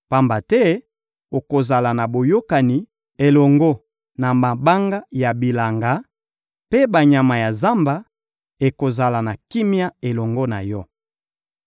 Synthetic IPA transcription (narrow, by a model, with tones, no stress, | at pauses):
pa˦mba˨tɛ˦ | o˨ko˨za˨la˨na˨bo˨jo˦ka˨ni˨ | e˨lɔ˨ŋɡɔ˦ | na˨ma˨ba˦ŋɡa˦ja˨bi˨la˨ŋɡa˨˦ | pe˦ba˨ɲa˨ma˨ja˨za˦mba˨ | e˨ko˨za˨la˨na˨ki˦mi˦a˦e˨lɔ˨ŋɡɔ˦na̰˨jɔ˦